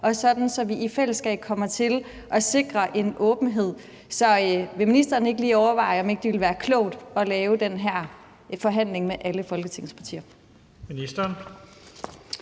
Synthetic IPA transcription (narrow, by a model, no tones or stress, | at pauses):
ʔɒ̽sɒ̽d̥n̩sɒ̽ʋiʔifel̰əsɡ̥ɛ̰ːb̥̚kʰɒ̽mɐt͡sʰe̝l | ʔɒ̽se̝ɡ̥ʁɐʔe̝nʔɔ̽ːb̥n̩ɦe̝ð̰ˠ | sɒ̽ʋe̝minisd̥ɐːne̝ɡ̥əliːɒʊɐʋɑ̈ɪ̰ɒ̽me̝ɡ̥d̥iʋe̝lʋæːɐkʰlɔ̽ʊd̥ɒ̽lɛːʊd̥enɦæɐ̰ | fɒ̽ɦæn̰le̝ŋmeʔæləfɒ̽lɡ̥ət͡sʰe̝ŋ̰̩spʰɑt͡sʰḭːɐ | minisd̥ɐn